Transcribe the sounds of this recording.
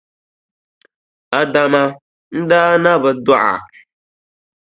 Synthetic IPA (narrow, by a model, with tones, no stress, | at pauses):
a˨da˨ma˦ | n̩˦daː˦na˦bɨ˨dɔ˦ʔa̰˨